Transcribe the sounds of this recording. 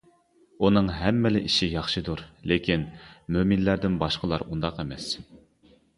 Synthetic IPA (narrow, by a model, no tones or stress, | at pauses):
unɨŋɦɛmːɪlɪʔiʃijɑχʃɨd̪uɾlekʲʰinmøminlæɾd̪ɪnbɑʃqəlˠɑ̰ɾund̪ɑqemɛs